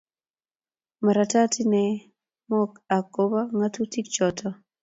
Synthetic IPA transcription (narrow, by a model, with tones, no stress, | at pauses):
ma˨ɾa˨ta˦ti˦nɛ˦ | mɔ˦ka˨ko˦ba˦ŋa˦tu˦ti˦kt͡ʃɔ˨tʰɔ˦